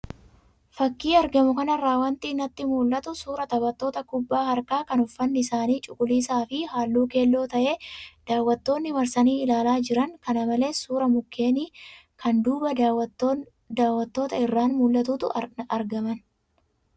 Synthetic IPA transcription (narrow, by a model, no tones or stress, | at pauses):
fɐkːiːɐɾɡɐmʊkɐnɐrːaːwɐnt̪iːnːɐt̪ːɪmuːlːɐt̪ʊsuːɾɐt̪ɐbɐt̪ːo̞ːt̪ɐkʊbːaːhɐɾkaːkɐnʊfːɐnːɪɪsaːniːt͡ʃʼʊkʼʊliːsaːfɪhaːlːuːke̞ːlːo̞ːt̪ɐʔe̞ːd̪̥aːwːɐt̪ːo̞ːnːɪmɐɾsɐniːɪlaːlaːd͡ʒɪɾɐŋkɐnɐmɐle̞ːsuːɾɐmʊkːeːniːkɐnd̪uːbɐ | d̪aːwːɐt̪ːo̞ːt̪ɐɪrːaːnmuːlːɐt̪uːt̪ʊɐɐɾɡɐmɐn